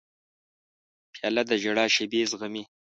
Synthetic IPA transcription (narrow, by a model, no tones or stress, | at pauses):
pʰjɑːlad̪əʒaɽɑːʃebezɣami